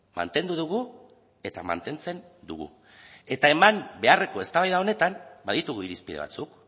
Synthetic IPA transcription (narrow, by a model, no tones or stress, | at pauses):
ma̰nt̪e̞nd̪uðuɣ̞u | e̞t̪ama̰nt̪e̞nt͡se̞n | d̪ṵɣṵ | e̞t̪ae̞mambe̞are̞koe̞st̪aβajðao̞ne̞t̪ambaðit̪uɣuiɾispið̞e̞β̞a̰t͡suk